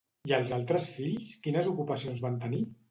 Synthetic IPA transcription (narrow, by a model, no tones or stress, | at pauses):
iəlˠzalˠt̪ɾəsfiʎskinəzukupəsionzβant̪əni